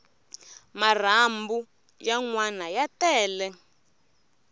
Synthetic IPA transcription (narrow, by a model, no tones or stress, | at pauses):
mar̤ambu | jaŋwanajatɛːlɛ